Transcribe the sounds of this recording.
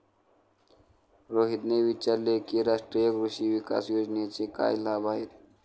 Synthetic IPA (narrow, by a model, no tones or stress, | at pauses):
ɾoːɦit̪nebit͡ʃaɾlekiɾaːʃʈɾijəkɾuʃiʋika̰ːsjoːd͡ʒnet͡ʃika̰ːjlaːbaːɦit̪̚